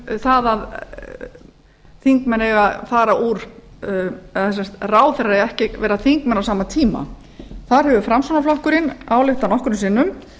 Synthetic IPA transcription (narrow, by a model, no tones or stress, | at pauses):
θaðað | θiŋkmɛnɛɣaðfaːɾaʔuːɾ̥ | ɛaɛs̬ɛmst̪raːwθɛɾaɛɛhcɪvɛːɾaθiŋkmɛnːawsaːmat̪ʰiːma̰ | θaɾ̥ɦɛvʏfɾamsanaflɔhkʏɾɪnaːwlɪht̪anɔhkʏɾʏmsɪnːʏm